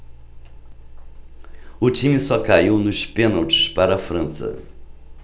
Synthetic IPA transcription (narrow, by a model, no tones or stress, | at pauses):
ʊt͡ʃĩmɪsɔkaiwnʊspẽnawt͡ʃɪ̥spaɾɐːfɾɐ̃sɐ̰